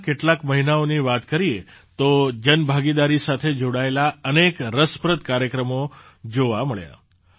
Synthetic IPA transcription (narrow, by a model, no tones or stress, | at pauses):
keʈlakməɦinaoniʋat̪kəɾiet̪od͡ʒənbʱaɡid̪aɾisat̪ʰed͡ʒoɽaelaənekɾəspɾəd̪kaɾjəkɾəmo | d͡ʒoʋaməɭja̰